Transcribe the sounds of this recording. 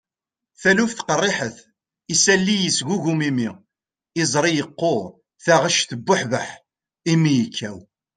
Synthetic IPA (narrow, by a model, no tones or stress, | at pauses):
θælufθqərˤːɪħəθ | isælːijəsʝuʝumimi | ɪzˤɾˤijəqːo | θaʁəʃθəbːʊħvəħ | imijəkʰːæw